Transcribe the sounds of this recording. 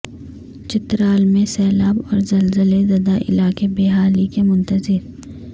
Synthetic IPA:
t͡ʃɪt̪ɾaːlmẽsɛːlaːbɔ̰ːɾzɐlzəlezɐd̪aʔɪ̰laːkebeːɦaːlikemʊ̃nt̪əzɪɾ

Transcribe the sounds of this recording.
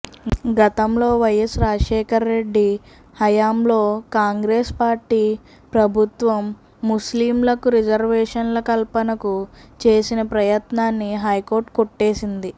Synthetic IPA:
ɡɐt̪ɐmlo̞ːʋɐjɐsɾaːʂɛːkɐɾːe̞ɖːi | hɐjaːmlo̞ːkaːŋɡɾeːspaːɾʈːiː | pɾɐbʱut̪ʋɐmː | usliːmlɐkuɾid͡ʒɐɾʋɛːʂɐnlɐkɐlpɐnɐkut͡ʃeːsinɐpɾɐjɐt̪naːnːiɦɐjko̞ːɾʈkoʈːe̞ːsind̪i

